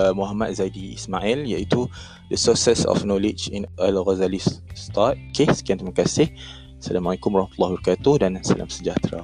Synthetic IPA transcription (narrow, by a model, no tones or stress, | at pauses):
muɦamat̪̚zadiismaʔɛljait̪u | dəsosɛsɔ̰fnɔlɪd͡ʒinalɣazalist̪at̪̚kesə̥kiant̪ɾimakasɪh | salamalikʊmɾahmat̪ulːahbaɾkat̪udansala̰msəd͡ʒaht̪ɾa̰